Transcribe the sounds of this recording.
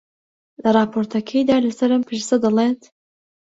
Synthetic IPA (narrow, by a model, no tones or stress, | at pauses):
lɐrˤɑːpʰoːɾt̪ʰɐkʰɐjd̪aːlɐsɐɾɐmpʰɨʃsɐd̪ɐlˠeːt̪